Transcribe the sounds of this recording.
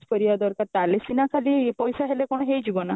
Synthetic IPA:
spəɾijad̪ɔɾkaɾt̪alesinakʰalipɔjsaɦelekɔɽ̃ɔɦejd͡ʒibɔna

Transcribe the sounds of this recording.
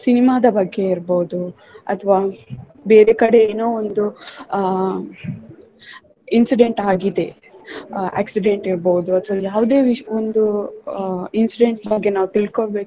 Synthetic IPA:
sinimaːd̪ɐbɐɡːe̞iɾboːud̪u | ɐt̪ʰɐʋaː | beːɾekɐɽe̞eːnoːond̪u | insiɖe̞ɳʈaːɡid̪e̞ | a̰ːksiɖe̞ɳʈiɾboud̪uɐt̪ʰʋɐljaːʋd̪e̞ːʋiʂond̪u | insiɖe̞ɳʈbɐɡːe̞naːʋut̪iɭkoɭbe̞ːk

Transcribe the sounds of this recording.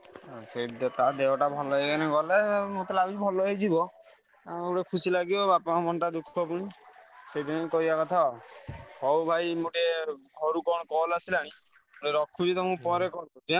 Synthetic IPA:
sed̪t̪ad̪eɔʈabʱɔlɔɦekanɛɡɔlemot̪ɔlabibʱɔlɔɦed͡ʒibɔ | uʈekʰusilaɡibɔbapamɔnʈad̪ukʰɔpuɽ̃ĩsejd̪ʱinkɔɦibakɔt̪ʰa | hɔwbʱajmuʈeɡʱɔɾukɔ̃ɔkɔlasilaɽ̃ĩ | moʈeɾɔkʰud͡ʒit̪ɔmũpɔɾekɔɾud͡ʒ̪iã

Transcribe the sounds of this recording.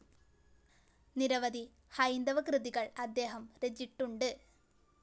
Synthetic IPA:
niɾɐʋɐd̪ʱi | hɐjnd̪ɐʋɐkrɨðiɣɐɭɐd̪ːe̞ːɦɐmred͡ʑiʈːuɳɖɨ

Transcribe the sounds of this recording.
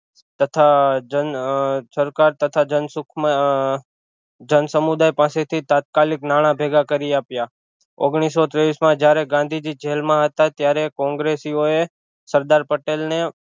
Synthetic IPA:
t̪ət̪ʰad͡ʒənsəɾkaɾt̪ət̪ʰad͡ʒənsʊkʰm | d͡ʒənsəmud̪ajpãset̪ʰit̪at̪̚kaliknaɽ̃ãbʱeɡakəɾiapja | oɡɽ̃isot̪ɾeʋismãd͡ʒjaɾeɡãnd̪ʱid͡ʒid͡ʒelmãɦət̪at̪jaɾekɔ̃ŋɡɾesioe | səɾd̪aɾpəʈelne

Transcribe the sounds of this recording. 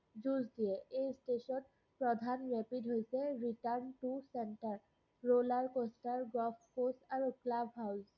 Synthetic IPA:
zuzdijɛejstesɔt | pɹɔdʱanɹɛpidʱɦojsɛɹiʈaɹnʈusenʈaɹ | ɹolaɹkostaɹɡɔfʰposaɹuklabʱɦaws

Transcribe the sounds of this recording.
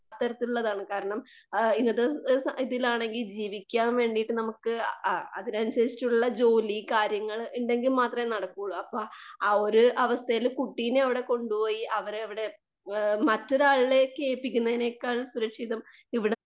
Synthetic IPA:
t̪ːɐɾɐt̪ːiluɭːɐðaːɳɨkaːɾɐɳɐm | inːɐðɨsiðilaːɳe̞ŋɡild͡ʑiːʋikʲːaːnʋe̞ːɳɖijʈːɨnɐmukːɨɐ̰ðinɐnuɕeːɾi̥tːuɳuɭːɐd͡ʑo̞ːlikaːɾjɐŋːɐɭiɳɖe̞ŋɡilmaːt̪rɐmenɐɽɐkːuɣɐɭuɐpːoːoɾuʔɐʋɐst̪ʰɐjilkuʈːijinɐʋiɽe̞ko̞ɳɖupo̞ːjiʔɐʋɐɾɐʋiɽe̞ | mɐtːo̞ɾaːɭilekeːpːikʲːunːɐðinekːaːɻsuɾɐkʂiðɐm | iʋiɽe

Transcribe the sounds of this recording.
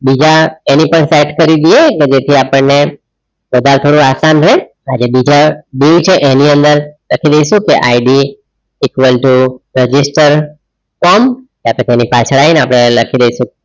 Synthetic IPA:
bid͡ʒaenipəɳsajʈkəɾid̪ieked͡ʒet̪ʰiapəɳne | bəd̪ʱalt̪ʰoɽũasanɾe | ad͡ʒebid͡ʒaɖiŋt͡ʃʰeʔeniənd̪əɾləkʰid̪əiʃũkeʔaiɖiː | kʋəlʈuɾəd͡ʒisʈəɾ | kɔmkeapɽẽt̪enipat͡ʃʰɭaineapɽ̃eləkʰid̪əiʃũ

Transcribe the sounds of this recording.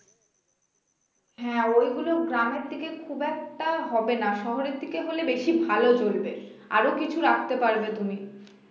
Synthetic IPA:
ɦɛ̃ojɡuloɡɾameɾd̪ʱikekʰubɛk̚ʈaɦɔbenaʃɔɦoɾeɾd̪ʱikeɦolebeʃibʱalod͡ʑolbeɾ | a̰ɾokit͡ɕʰuɾakʰt̪epaɾbet̪umi

